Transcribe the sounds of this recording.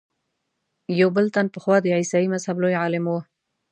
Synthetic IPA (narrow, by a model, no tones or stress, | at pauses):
jawbəlt̪anpəxwɑd̪əʕisɑimazhablojʕɑlɪmwo